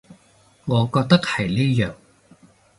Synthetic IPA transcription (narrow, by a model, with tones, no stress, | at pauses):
ŋɔː˨˧kɔː˧k̚t̪ɐ˥k̚hɐ˨˩jniː˥jœː˨˩ŋ